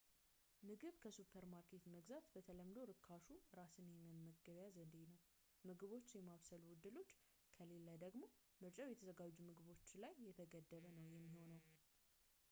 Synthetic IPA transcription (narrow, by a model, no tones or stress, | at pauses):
mɨɡɨβkʰəsupʰəɾmaɾkʰe̞t̪məɡzat̪bət̪ʰələmd̪o̞ɾɨkʰːaʃuɨɾasɨnjɛmənməɡːəβjazəd̪enəw | mɨɡɨβo̞t͡ʃːjɛmaβsəluwʊd̪ːɨlo̞t͡ʃː | kʰəle̞ləd̪əɡmo̞ | mɨɾt͡ʃʼawjɛt̪ʰəzəɡad͡ʒːumɨɡɨβo̞t͡ʃːlajːɛt̪ʰəɡəd̪ːəβənəwjɛmːiho̞nəw